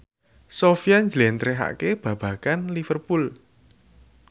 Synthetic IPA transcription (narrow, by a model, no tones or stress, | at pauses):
sofijaɲd͡ʒlɛnt̪ɾeɦa̰ʔkeb̥ä̤b̥ä̤kanlifərpul